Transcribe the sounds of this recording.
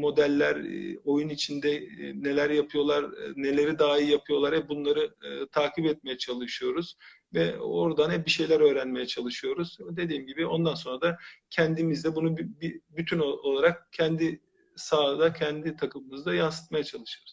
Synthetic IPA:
mo̞d̪ælʲːæɾo̞junit͡ʃʰind̪ɛne̞lʲæɾjapʰɯjo̞lˠaɾne̞lʲe̞ɾid̪aːijapʰɯjo̞lˠaɾɛbunlˠaɾɯt̪ʰaːkʰipɛt̪̚me̞jɛt͡ʃʰalˠɯʃɯjo̞ɾuz̥ | vɛo̞ɾd̪anɛbiʃe̞jlʲæɾø̞ːɾænme̞jɛt͡ʃʰalˠɯʃɯjo̞ɾuzd̪e̞d̪iːmɟibio̞nd̪anso̞nɾad̪acʰɛnd̪imizd̪ɛbunubbibyt̪ʰynolˠaɾak̚cʰɛnd̪i | saːd̪acʰɛnd̪it̪ʰakʰɯmɯmɯzd̪ajansɯ̥t̪̚majat͡ʃʰalˠɯʃɯɾuz̥

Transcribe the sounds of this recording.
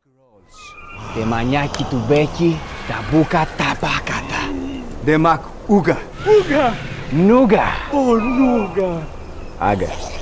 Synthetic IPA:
tɛmaɲakitubɛkitabukatapakatadɛmak | uɡa | uɡa | m̩nuɡa̰ɔɾuɡa | a̰ɡa̰

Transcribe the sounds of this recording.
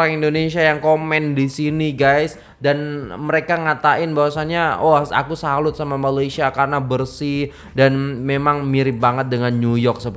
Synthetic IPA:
ɾaŋindonesiajaŋkomɛndisiniɡajs | danməɾekaŋat̪aʔɪnbawasaɲaɔsa̰kusalʊt̪̚samamalajsiakarnabərsi | danmemaŋmiɾɪm̚baŋət̪̚dəŋanɲujɔk̚səb

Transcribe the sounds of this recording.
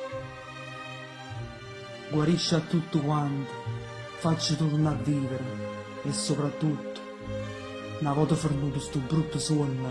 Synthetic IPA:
ɡwaɾiʃat̪ut̪ːəkwant̪ | fat͡ʃːət̪ut̪nadivɛɾ | ɛsɔpɾat̪ut̪ː | navɔt̪əfəɾnut̪ust̪ubɾut̪ːəsuənːə

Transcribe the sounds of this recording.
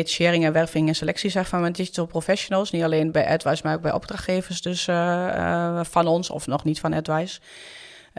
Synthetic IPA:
etiʃɪːɾɪŋɛnʋɛrfɪŋɛnselɛksisɛxfanmɛndiitəlˠprofɛsjonəlˠsnitaleːnbɛjʔɛtʋajsmaroːɡbɛjʔɔ̰b̚draxtxeːvəsdøs | fɔnɔnsɔ̰fnɔxnitfɔnɛtʋajs

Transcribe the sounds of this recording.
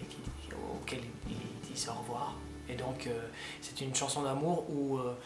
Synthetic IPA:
kʲi | o̰o̰kɛl | ild̪isɔʁəvwaʁ | ed̪ɔ̃kʰø | sɛ̥t̪ynʃɑ̃sɔ̃d̪amuʁuø

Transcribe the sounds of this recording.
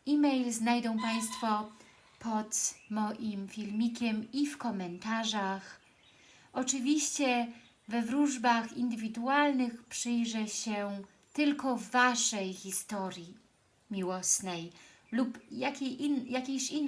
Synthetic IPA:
ʔimɛjlznajd̪ɔ̃w̃paj̃st̪fɔ | pʰɔt̪mɔʔimfʲilmʲikʲɛmifkɔmɛnt̪aʐax | ɔt͡ʂɘvʲiɕt͡ɕɛ | vɛvɾuʐbaxind̪ɘvʲid̪ualnɘxpʂɘjʐɛɕɛ | t̪ɘlkɔvːaʂɛjxʲist̪ɔɾʲji | mʲiwɔsnɛj | lupjakʲeinjakʲeɕinː

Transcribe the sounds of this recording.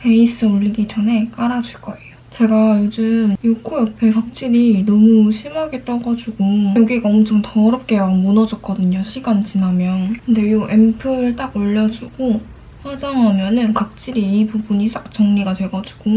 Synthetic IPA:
pʰe̞is͈ɯoʎːiɡid͡ʑʌnɦe̞k͈aɾad͡ʑuɭk͈ʌejjot͡ɕe̞ɡajod͡ʑɯmjokʰujʌpʰekak̚t͡ɕ͈iɾinʌmuɕʰimaɡe̞t͈ʌɡad͡ʑuɡojoɡiɡaʌmt͡ɕʰʌŋtʌɾʌp̚k͈e̞amonʌd͡ʑʌt̚k͈ʌdɯɲoɕʰiɡant͡ɕinamjʌnkʰɯnde̞joʔempʰɯɾɯɭt͈aɡoʎːʌd͡ʑuɡo | ɸwad͡ʑaŋɦamjʌnɯnkak̚t͡ɕ͈iɾiːbubuɲis͈ak̚t͡ɕ͈ʌŋɲiɡadwe̞ɡʌd͡ʑuɡ̥o

